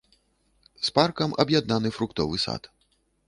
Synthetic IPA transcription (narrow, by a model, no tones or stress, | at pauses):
sparkɐmʔɐ̰bjad̪nanɨfɾukt̪ɔvɨsa̰t̪